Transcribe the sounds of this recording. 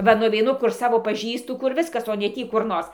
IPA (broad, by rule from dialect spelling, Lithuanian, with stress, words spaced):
ˈʋɐ nʊʋʲɛɪˈnʊ kʊr ˈsɑːʋoː pɐˈʒʲiːstʊ kʊr ˈʋʲɪskɐs oː nʲɛ ˈtʲiː kʊr ˈnoːrs